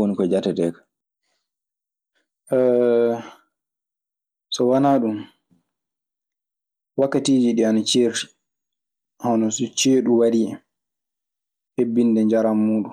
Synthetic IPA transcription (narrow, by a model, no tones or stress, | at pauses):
onikɔd͡ʒatɛtɛːkḁ | ɛ | sɔwanaːɗum | wakːatiːd͡ʒiɗianat͡ʃeːɾti̥ | hɔnɔsɔt͡ʃeːɗuwaɾiɛ | hebːindɛɲd͡ʒaɾamːuːɗu